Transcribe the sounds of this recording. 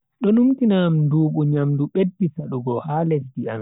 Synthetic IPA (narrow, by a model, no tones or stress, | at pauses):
ɗɔnumtinamduːɓuɲamduɓedːisaɗuɡɔhaːled͡ʒdia̰n